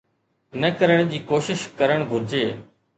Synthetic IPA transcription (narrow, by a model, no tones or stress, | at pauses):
nəkəɾəɽ̃d͡ʑiːkoːʃɪʃkəɾəɽ̃ɡʱʊɾd͡ʑeː